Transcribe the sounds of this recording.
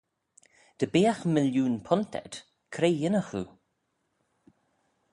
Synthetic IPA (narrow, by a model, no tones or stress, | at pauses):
d̪̥əbeːaxmɪljuːnpʰʊnt̪ʰɛ̰d̪̥ | kʰɾejɪnəxṵ